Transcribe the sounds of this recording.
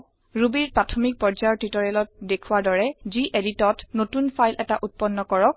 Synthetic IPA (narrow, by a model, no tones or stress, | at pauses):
ɹubiɹpɹatʰɔmik̚pɔɹd͡ʒajɔɹtitɔɹɛlɔt̚dekʰuwadɔɹɛziʔeditɔtnotunpʰajlʔɛtaʔut̚pɔnːɔkɔɹɔk̚